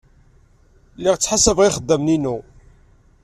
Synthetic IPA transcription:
lːiʁt͡sːħasəvʁiχəd̪ːəmninu

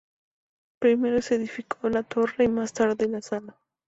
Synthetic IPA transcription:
pɾɪmeɾosed̪ɪfɪkʰolat̪ʰoɾajmast̪aɾd̪elasala

